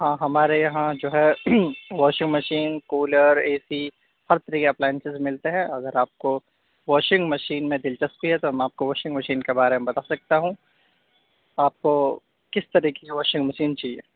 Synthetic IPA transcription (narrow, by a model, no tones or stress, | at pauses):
ɦãːɦɐmaːɾejɐɦãd͡ʒoːɦɛ | ʋɔːʃɪ̃ŋɡmɐʃiːnkoːləɾeːsi | hɐɾt̪ɐɾiːkeɐplaːjə̃nsɪzmɪlt̪eɦɛ̃ɐɡəɾaːp̚ko | ʋɔːʃɪ̃ŋɡmɐʃiːnmẽd̪ɪlt͡ʃɐst̪t̪iɦɛt̪oɦɐmɛaːp̚koʋɔːʃɪ̃ŋɡmɐʃiːnkebaːɾemẽbɐt̪aːsɐk̚t̪aɦũ | aːp̚ko | kɪst̪ɐɾiːkeseʋɔːʃɪ̃ŋɡmɐʃiːnt͡ʃaːɦiḛː